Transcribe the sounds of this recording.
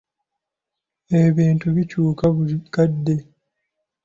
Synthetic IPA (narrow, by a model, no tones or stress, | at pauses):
eβiːntuβicuːkakadːe̞